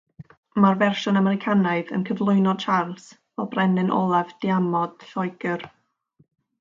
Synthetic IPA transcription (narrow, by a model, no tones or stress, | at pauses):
marvɛrʃɔnamɛɾɪkʰanaɨðə̰nkʰəvlˠʊɨnɔdt͡ʃʰarlˠsvɛlˠbrɛnɨnʔɔ̰lˠavdiamɔd̥ɬɔjɡ̥ər